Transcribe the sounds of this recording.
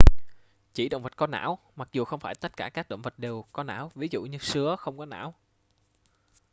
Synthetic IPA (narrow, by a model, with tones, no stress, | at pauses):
t͡ɕi˧˩ɗo̰˧˨ŋ͡mvə˨˩t̚kɔ˨˦na̰ː˧˥w | ma˨˩k̚zu˨˩xə˧wŋ͡mfaː˧˩jt̪ə˦˥t̚kaː˧˩kaː˦˥k̚ɗo̰˧˨wŋ͡mvə˨˩t̚ɗe˨˩wkɔ˨˦na̰ː˧˥wvi˨˦zṵ˧˨ɲɨ˧sɨ˨˦əxə˧wŋ͡mkɔ˨˦na̰ː˧˥w